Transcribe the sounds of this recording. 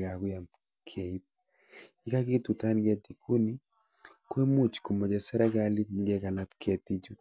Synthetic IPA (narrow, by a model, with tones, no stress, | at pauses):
ɡa˨kwja˨m | kʰe˨i˦p̚ | i˦ka˦ki˦tu˨ta˦nɡɛ˦ti˨kʰu˦ni˦ | kwe˦mu˦t͡ʃku˨mɔ˨d͡ʒɛ˨sɛ˦ɾɛ˦ɡa˦li˦tni˦ɡɛ˦ka˨la˦pkʰɛ˨ti˦d͡ʒu˦